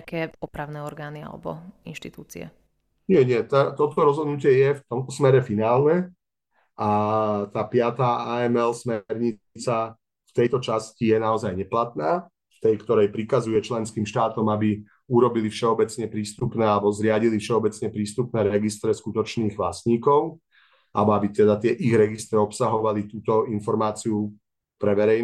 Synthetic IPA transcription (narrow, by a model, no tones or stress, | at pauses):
kɛɔpɾaʊnɛɔɾɡaːnia̰lɛ̰bɔ̰inʃt̪it̪uːt͡sḭɛ̰ | ɲɪɛɲɪɛt̪at̪ɔt̪ɔɾɔzɦɔd̪nucɪɛjɛft̪ɔmt̪ɔsmɛɾɛfinaːlnɛ | at̪aːpɪat̪aːaɛmɛlsmɛɾɲi | t͡sa | ft̪ɛjt̪ɔt͡ʃascijɛnaɔzajɲɛplat̪naː | ft̪ɛjkt̪ɔɾɛjpɾikazujɛt͡ʃlɛnskiːmʃt̪aːt̪ɔmabi | uɾɔbilifʃɛɔbɛt͡sɲɛpɾiːst̪upnɛːalɛbɔzɾɪaɟilifʃɛɔbɛt͡sɲɛpɾiːst̪upnɛːɾɛɡist̪ɾɛskut̪ɔt͡ʃniːɣʋlasɲiːkɔʊ | albɔabit̪ɛd̪at̪ɪɛʔiɣɾɛɡist̪ɾɛɔpsaɦɔʋalit̪uːt̪ɔinfɔɾmaːt͡siu | pɾɛʋɛɾɛjn